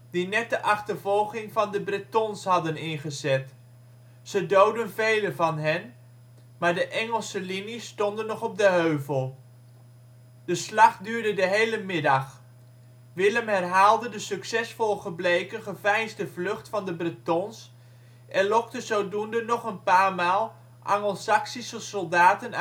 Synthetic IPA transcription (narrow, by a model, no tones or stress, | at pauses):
dinɛt̚dəʔɑχtəɹvɔlˠχɪŋvɑndəbrɪtɔnsɦɑdənɪnχəzɛt | sədowdənvejləvɑnɦɛn | maːɹdəʔɛŋəlˠsəlinisːtɔndənːɔχɔb̚dəɦøɥvəlˠ | d̥əslɑχdyːɹdədəɦejləmɪdɑχ | ʋɪləmɦɛrɦaːlˠdədəsɵksɛsfɔlˠəχəblejkəχəvɛjnzdəvlɵχtfɑndəbritɔns | ʔɛnlɔktəzowdundənɔχənpaːɹmaːlˠ | ʔɑ̰ŋəlˠsɑksisəsɔlˠdaːtən